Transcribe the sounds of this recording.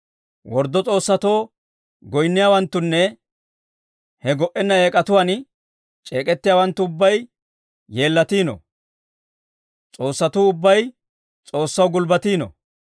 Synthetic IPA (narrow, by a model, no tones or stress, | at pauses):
wɔɾd̪ːɔt͡sʼo̞ːsːɐt̪o̞ː | ɡɔjnːɪjaːwɐnt̪ːʊnːɛ | hɛɡɔʔɛnːɐe̞ːkʼɐt̪ʊwan | t͡ʃʼe̞ːkʼɛt̪ːɪjaːwɐnt̪ːʊʊbːɐj | je̞ːlːɐt̪iːno̰ | t͡sʼo̞ːsːɐt̪uːʊbːɐj | t͡sʼo̞ːsːɐwɡʊlbɐt̪iːnɔ̰